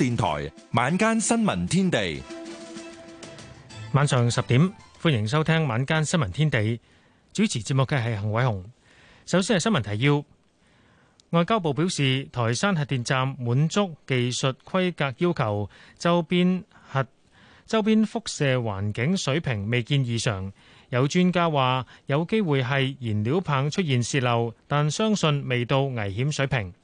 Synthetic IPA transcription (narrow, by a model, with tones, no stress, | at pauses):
t̪iː˨nt̪ʰɔ̰ː˨˩jmaː˨˧nkaː˥nsɐ˥nmɐ̰˨˩nt̪ʰiː˥nt̪e˨j | maː˨˧nsœː˨˩ŋsɐ˨p̚t̪iː˨˥mfuː˥njɪ˨˩ŋs̬ɐ˥wt̪ʰɛː˥ŋmaː˨˧nkaː˥nsɐ˥nmɐ˨˩nt̪ʰiː˥nt̪e˨j | t͡ʃyː˨˥t͡sʰiː˨˩t͡siː˧p̚mʊ˨kːɐː˧ɦɐ˨jɦɐ˨˩ŋwɐ˨˥jɦʊ˨˩ŋ | sɐ˨˥wsiː˥nhjsɐ˥nmɐ˨˩nt̪ʰɐ˨˩jiː˧w | ŋɔː˨˧jkaː˥wp̬o˨wpi˨˥wsiː˨t̪ʰɔː˨˩jsaː˥nɦɐ˨t̚t̪iː˨nt͡saː˨˧mːuː˨˥nt͡sʊ˥k̚ːe˨jsɵ˨t̚kʰɐ˥jkaː˧k̚jiː˥wkʰɐ˨˩wt͡sɐ˥wpi˥n | hɐ˨t̚ | t͡sɐ˥wp̬iː˥nfʊ˥k̚sɛː˨˧wa̰ː˨˩nkɪ˨˥ŋsɵ˨˥ɥpʰɪ˨˩ŋme˨jkiː˧njiː˨sœː˨˩ŋ | jɐ˨˧wt͡ʃyː˥nkaː˥waː˨jɐ˨˧wke˥jwuː˨jɦɐ˨jjiː˨˩nliː˨˥wpʰaː˨˧ŋt͡ʃʰɵ˥t̚jiː˨nsiː˧t̚lɐ˨wt̪aː˨nsœː˥ŋsɵ˧nme˨jt̪o˧wŋɐ˨˩jɦiː˨˥msɵ˨˥ɥpʰɪ˨˩ŋ